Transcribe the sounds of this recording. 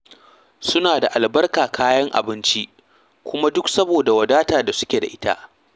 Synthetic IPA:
sʊ˦naː˨da˨ʔa˨lbɐ˦rkaː˨kʰaː˦jɐ˦ŋʔa̰˨bɪ˦nt͡ʃi˦ʔ | kʷʊ˦ma˦dʊ˦ksɐ˦boː˨da˨wɐ˨daː˦taː˨da˨sʊ˦kʲeː˨da̰˨ʔɪ˦ta̰˦ʔ

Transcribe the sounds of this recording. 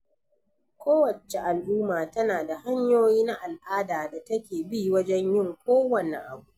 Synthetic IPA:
kʷoː˦wɐ˨t͡ʃe˨ʔa˨lʔuː˦maː˨tɐ˦naː˨da˨ha˦ɲjoː˦jiː˦na˦ʔa˨lʔaː˦daː˨da˨tɐ˦kʲeː˨bi˦˨wɐ˦d͡ʒɛ˦ɲjɪ˦˨ŋkʷoː˦wɐ˨nḛ˨ʔa̰˨bu˦

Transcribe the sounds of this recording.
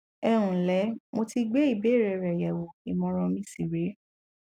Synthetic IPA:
ɛ˧ɾ̃ũ˨lɛ˨˦mo˧ti˧ɡ͡bɛ˦i˦˨be˨˦˨ɾɛ˨ɾɛ˨jɛ˨wo˨i˨mɔ̃˧ɾ̃ɔ̃˧mĩ˦si˦˨ɾe˨˦

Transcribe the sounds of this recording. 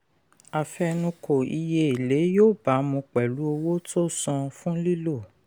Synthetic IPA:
a˨fɛ˧nũ˧ko˨i˧je˧i˨le˨˦joː˦˨ba˨˦mũ˧k͡pɛ˨lu˨˦o˧wo˦to˦sã˧fũ˦li˦lo˦˨

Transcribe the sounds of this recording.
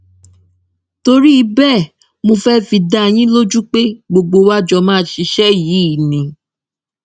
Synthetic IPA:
to˧ɾi˦i˧bɛ˦˨ | mo˧fɛ˦fi˧da˦˧j̃ĩ˦lo˦d͡ʒu˦k͡pe˦ɡ͡bo˧ɡ͡bo˧wa˦d͡ʒɔ˧mãː˦˨ʃi˧˦ʃɛ˦jiː˨˦i˦˨nĩ˨˦

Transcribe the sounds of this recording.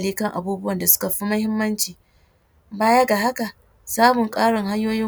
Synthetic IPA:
liː˦kɐ˦ŋʔa̰˨buː˦bʊ˦wɐ˨nda˨sʊ̥˦ka˨ɸi˦mɐ˦hɪ˦mːɐ˦nt͡ʃiː˨ | baː˦ja˦ɡa˨ɦa˦ka˨ | saː˦mʊ˨ŋkʼaː˦ɽɪ˨ŋɦa˦ɲjoː˦jɪ˦

